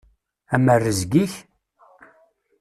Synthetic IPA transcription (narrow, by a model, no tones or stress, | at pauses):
æmərːəzɡiç